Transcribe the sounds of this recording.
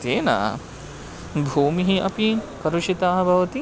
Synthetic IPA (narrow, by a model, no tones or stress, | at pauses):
t̪eːna̰ | bʱuːmiɦiʔɐ̰pikɐɾuʂit̪aːɦɐ̆bʱɐʋɐt̪i